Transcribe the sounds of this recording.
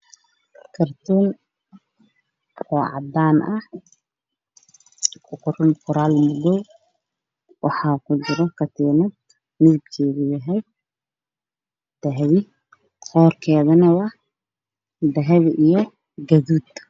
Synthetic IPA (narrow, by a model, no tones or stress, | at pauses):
kʰɐrt̪ʰuːn | ɔːʕɑ̰d̪aːnʔɐh | kʰʊqʊrʊnkʰʊɾaːlmʊðɔw | wɑħɑːkʰʊt͡ʃɪɾɔkʰɐt̪ʰiːnɐd̪̚ | mɪðɪb̚kʰɛːɣɪjɐɦɛj | d̪̥ɐɦβɪ | hɔːrkʰɛːðɐnɐwɑ | d̪ɐɦɛβʔijɞ | ɡɐðuːd̪